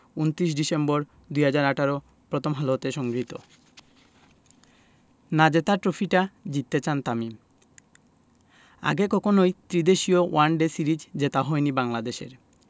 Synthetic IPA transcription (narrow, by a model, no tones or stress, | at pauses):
unt̪ɾiʃ̬ɖisemboɾ | d̪ujɦad͡ʑaɾaʈʰaɾo | pɾot̪ʰomɦalot̪eʃɔŋɡɾit̪o̰ | nad͡ʑet̪aɾʈɾofʰiʈad͡ʑit̪ːet͡ɕant̪ami | a̰ɡekɔkʰonojt̪ɾid̪eʃiowanɖesiɾid͡ʑd͡ʑet̪aɦɔenibaŋlad̪eʃḛɾ